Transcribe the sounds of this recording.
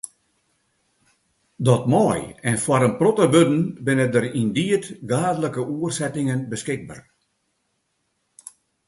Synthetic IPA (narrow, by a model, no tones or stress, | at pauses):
dɔtmɔːjɛnfwaɾənprotəbødn̩bɪnədəɾindiətɡaːdələkəʔuərsɛtɪŋənbəskɪɡ̚ba̰ːr